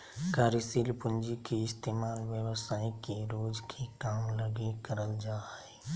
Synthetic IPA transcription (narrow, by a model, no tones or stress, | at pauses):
kaːɾɪsilpʊ̃nd͡ʒikiɪst̪eːmaːlʋjəwəsaːikeɾoːd͡ʒkʰekaːmləɡekəɾəld͡ʒaːɛ